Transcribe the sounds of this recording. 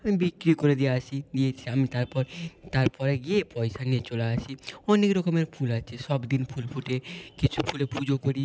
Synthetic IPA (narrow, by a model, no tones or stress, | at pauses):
amibikɾikoɾed̪ijaat͡ʃʰid̪iet͡ʃʰiamit̪aɾpɔɾt̪aɾpɔɾeɡieepɔjsaniet͡ʃolaat͡ʃʰiɔnekɾɔkomeɾpʰulat͡ʃʰeʃɔbd̪inpʰulpʰuʈekit͡ʃʰupʰulepud͡ʑokoɾi